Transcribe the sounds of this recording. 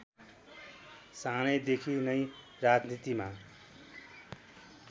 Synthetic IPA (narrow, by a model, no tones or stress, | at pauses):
sanʌjd̪ekʰinʌj | rad͡znit̪ima